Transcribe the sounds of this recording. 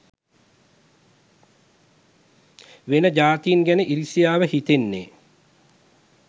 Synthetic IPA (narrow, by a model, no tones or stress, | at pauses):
ʋenəd͡ʒaːt̪ijinɡænəʔiɾisijaːʋəhit̪enːḛ